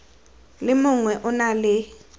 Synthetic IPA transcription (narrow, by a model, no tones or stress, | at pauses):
lɪmʊŋwɛʔʊnalɪ